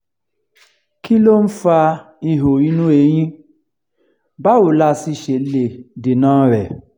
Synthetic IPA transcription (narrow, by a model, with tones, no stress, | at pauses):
ki˦lo˦n̩˦fa˧ | i˦˧˨ɦo˨ɾi˦nũ˦e˨˦j̃ĩ˦ | ba˦o˨la˧˦si˧ʃe˨le˨de˨nãː˦ɾɛ˨